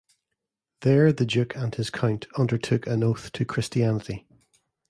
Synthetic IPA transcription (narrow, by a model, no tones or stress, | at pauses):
ðə˞ðəd͡ʒʉkʰə̃nɪz̥kʰãʊ̃ntʰʌ̃ndə˞tʰʉkʰə̃noθtʰəkʰɹ̥ɪstianəʔi